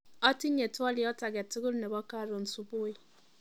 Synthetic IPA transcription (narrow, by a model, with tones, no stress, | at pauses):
ɔ˦ti˦ne˨tu˦ɔ˦li˨ɔ˦ta˨ɡɛ˨ti˦ɡu˦ɾne˨bɔ˦ka˦˨ɾo˨n̩˨su˨bu˦i˦